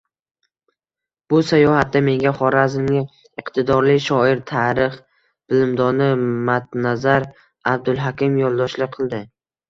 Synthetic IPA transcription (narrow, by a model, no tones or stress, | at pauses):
b̥ʊsajɒhat̪̚ːame̞ŋɡʲaχɒɾazɪnɪ | ɨqt̪ʰɪd̪ɒɾlɪʃɒɪɾt̪ʰaɾɪχ | b̥ɪlɪmd̪ɒnɪmat̪nazaɾ | ab̚d̪ʊlˠɦakʲɪmjɒlˠd̪ɒʃlɪqʰɨlˠd̪ɪ